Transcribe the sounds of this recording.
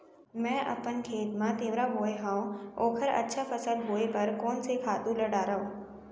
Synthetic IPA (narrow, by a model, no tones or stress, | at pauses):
mɛ̃ːʔɐ̰pənkʰeːt̪mãt̪eːʋɾaboːeɦãːõoːkʰəɾɐ̰tːʃʰapʰəsəlboːepɐɾkɔːnsekʰaːt̪ũlɐɽaːɾaːõː